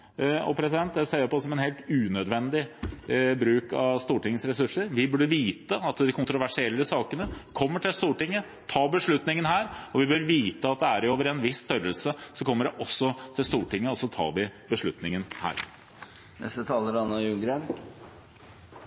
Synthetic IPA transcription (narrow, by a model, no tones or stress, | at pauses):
ɔ̰pʰɾɛsɪd̪ɛnt̪̚d̪ɛseːəpɔsɔmɛnheːlt̪ʉːnœd̪ʋɛnd̪ɪ | bɾʉːkɑ̰ʋst̪uːʈɪŋːəsɾɛsʉʂəɾʋɪbʉɖːəʋiːt̪əɑt̪d̪ɪkʰʊnt̪ɾʊʋæʂɪɛlːəsɑːkənəkʰɔmːəʈʰɪlst̪uːʈɪŋːə | t̪ʰɑːbəʂɭʉt̪nɪŋənhæːɾɔʋɪbœɾʋiːt̪əɑt̪̚d̪ɛæɾɪoːʋəɾɛnʋɪsːt̪œɾəlsəsɔkʰɔmːəɖɛʔɔsːɔt̪ʰɪlst̪uːʈɪŋːəɔsːɔt̪ʰɑ̰ːʋɪbəʂɭʉt̪nɪŋənhæ̰ːɾ | nɛ̰st̪ət̪ʰɑːləɾɑnːəjʉŋɡɾen